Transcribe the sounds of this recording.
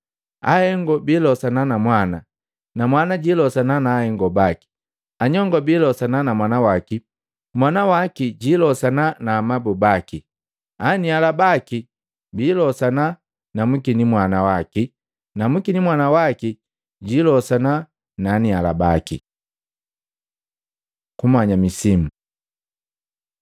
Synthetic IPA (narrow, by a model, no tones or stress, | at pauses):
ahɛŋɡɔbilɔsananamwana | namwanaɟilɔsananaːhɛŋɡɔbaki̥ | aɲɔŋɡɔbiːlɔsananamwanawaki | mwanawakiɟilɔsananamabubaki | anialabaki | bilɔsana | namukinimwanawaki | namukinimwanawaki | ɟilɔsana | naniala̰bakḭ | kumaɲamisimu